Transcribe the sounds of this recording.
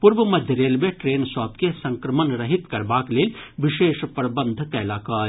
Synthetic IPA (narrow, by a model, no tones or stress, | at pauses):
puɾʋəmɐd̪ʱjəɾeːlmẽʈɾeːnswaːpkesɐ̃ŋkɾɐmənɾɐɦit̪kɐɾbaːkleːlʋɪʃeːʃpɾɐbə̃nd̪ʱkɐlaːkaː